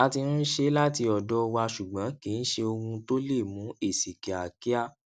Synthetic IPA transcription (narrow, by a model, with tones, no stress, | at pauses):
a˧ti˧ɾũ˦ʃe˦la˦ti˧ɔ˨dɔ˦˧wa˧ʃu˨ɡ͡bã˨˦kĩ˨˦n̩˦ʃe˧o˧ɡũ˧to˦le˦˨mũ˨˦e˦˨si˨ke˨a˨ki˦a˦˨